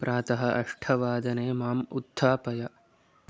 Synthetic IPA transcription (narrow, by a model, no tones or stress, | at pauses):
pɾʔaːt̪ɐɦɐʔɐʂʈʰɐʋaːd̪ɐneːmaːmud̪ʱːaːpɐjɐ